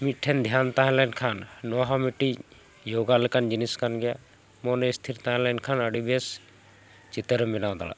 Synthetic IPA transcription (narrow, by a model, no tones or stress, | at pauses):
mit̪̚ʈʰɛnd̪ʱjant̪aɦɛ̃lɛnkʰanːɔɦamiʈi | joɡalɛkand͡ʒiniskanɡɛja | mɔnɛst̪ʰiɾt̪aɦɛ̃lɛnkʰanəɖibɛs | t͡ʃit̪əɾmɛnaw̃d̪a̰la̰